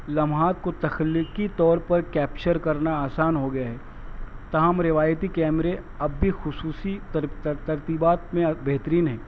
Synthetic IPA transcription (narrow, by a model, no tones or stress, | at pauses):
lɐmɦaːt̪̚kot̪ɐxəlːɪkit̪ɔːɾpɐɾkɛːpt͡ʃəɾkɐɾnaaːsaːnɦoɡɐjaɦɛː | t̪ɐɦəmɾɪʋaːjt̪ikɛːmɾeɐbːʱixʊsuːsit̪ɐɾt̪ibaːt̪mẽbeɦːt̪əɾiːnɦɛː